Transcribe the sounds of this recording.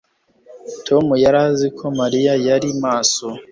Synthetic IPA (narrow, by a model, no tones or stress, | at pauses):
tʰo̞mujaɾazikʰo̞maɾijajaɾimaːso